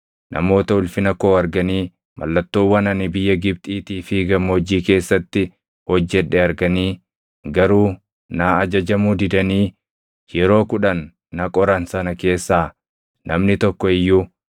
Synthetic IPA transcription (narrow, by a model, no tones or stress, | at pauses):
nʔɐ̰mo̞ːt̪ɐʊlfɪnɐko̞ːɐɾɡɐniː | mʔɐ̰lːɐt̪ːoːwːɐnɐnɪbɪjːɐɡɪb̚t̪ʼiːt̪iːfɪɡɐmːɐɔd͡ʒiːke̞ːsːɐt̪ːɪ | hɔd͡ʒːɛᶑɛɐɾɡɐniː | ɡɐɾuː | nɐɐd͡ʒɐd͡ʒɐmuːd̪ɪd̪ɐniː | jɛɾo̞ːkʊᶑɐnː | ɐkʼɔɾɐnsɐnɐke̞ːsːaː | nʔɐmnɪt̪ɔkːɔɪjːu